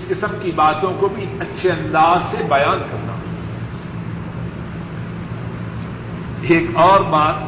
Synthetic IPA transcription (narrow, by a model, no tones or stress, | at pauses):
ɪskɪsəmkibaːt̪õkobʱiɐtːʃʰeɐ̃nd̪aːzsebɐjaːnkɐɾna̰ː | eːkɔːɾbaːt̪